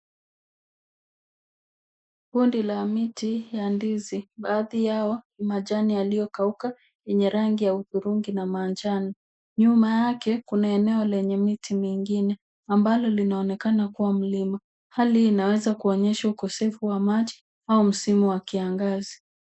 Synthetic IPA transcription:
kundilamitijandiziɓaːðijaɔhimaʄanialijɔkauka | jɛɲɛɾaŋɡijautuɾuŋɡinamaːnd͡ʒanɔ | ɲumajakɛkunaɛnɛɔlɛɲɛmitimiŋɡinɛ | ambalɔlinaɔnɛkanakuwam̩lima | halihːnawɛzakuɔɲɛʃaukɔsɛfuwamaʄi | aum̩simuwakiaŋɡazi

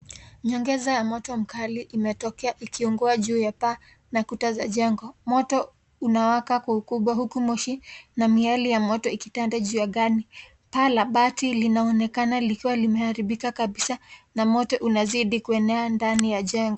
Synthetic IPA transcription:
ɲɔŋɡɛzajamɔtɔm̩kaliʔːmɛtɔkɛaʔikʰiuŋɡɔaʄuːjapa | nakutazaʄɛŋɡɔmɔtɔ | unawakakwaukuɓwaɦukumɔʃinamialijamɔtɔikitandaʄuːjaɠani | palaɓatilinaɔnɛkanalikiwalimɛhaɾiɓikakaɓisanamɔtɔʔunaziɗikuɛnɛandanijaʄɛŋɡɔ

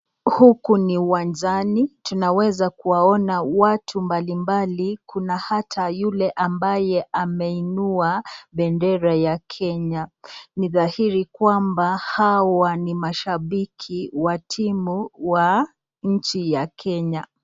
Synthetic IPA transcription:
hukuniwanzanitunawɛzakuwaɔnawatʰumbalimbalikʰunahatʰajulɛʔambajɛʔamɛinuaɓɛndɛɾajakʰɛɲaniðahiɾikwambahawanimaʃaɓikʰiwatʰimuwa | ɲ̩t͡ʃijakʰɛɲa

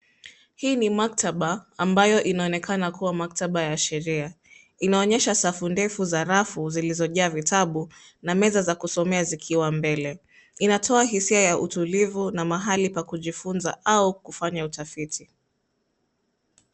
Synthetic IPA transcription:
hiːnimak̚tʰaɓaambajɔʔinaɔnɛkanakuwamak̚taɓajaʃɛɾia | inaɔɲɛʃasafundɛfuzaɾafuzilizɔʄaːvitaɓu | namɛzazakusɔmɛazikʰiwambɛlɛ | inatʰɔaɦisiajaʔṵtulivunamaɦalipakuʄifunza̰ʔaukufaɲautafitʰi

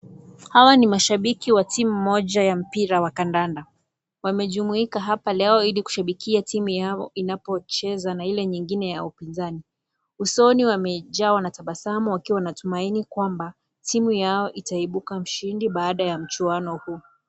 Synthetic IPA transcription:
hawanimaʃaɓikiwatimumːɔʄajam̩piɾawakandanda | wamɛʄumuikaɦapalɛɔiliku̥ʃaɓikʰiatimujaɔinapɔt͡ʃɛzanailɛɲiŋɡinɛjaupinzani | usɔniwamɛʄawanataɓasamɔwakiwanatumainikwamba | timujaɔʔitaiɓukam̩ʃindiɓaːɗajam̩t͡ʃuanɔhuː

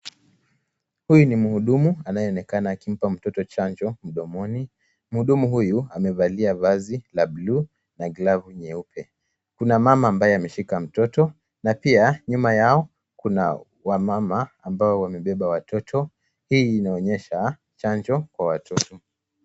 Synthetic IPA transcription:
hujunimuhuɗumuanajɛɔnɛkanaːkim̩pam̩tɔtɔt͡ʃand͡ʒɔm̩ɗɔmɔni | m̩huɗumuɦujuamɛvaliavazilablu | naɡlavuɲɛupʰɛ | kunamamaːmbajɛamɛʃikam̩tɔtɔ | napiaɲumajaɔ | kuna̰ | wamamaːmbaɔwamɛɓɛɓawatʰɔtʰɔ | hiːnaɔɲɛʃa | t͡ʃaɲd͡ʒɔkwawatʰɔtɔ

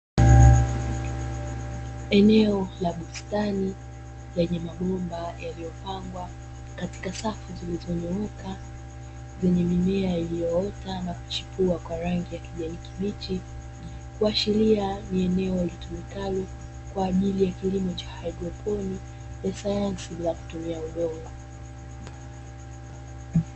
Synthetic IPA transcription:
ɛnɛɔlaɓustani | lɛɲɛmaɠɔmbajʔalijɔpaŋɡwa | kati̥kasafuzilizɔɲɔɔka | zɛɲɛmimɛailijɔɔtanaku̥t͡ʃi̥puakwaɾaŋɡijakiʄanikimit͡ʃi | kuaʃilianiɛnɛɔlitumikali | kwaːʄilijakilimɔt͡ʃḁhaidɾɔpʰɔni | jasajansiɓilaku̥tumiaɔɗɔma

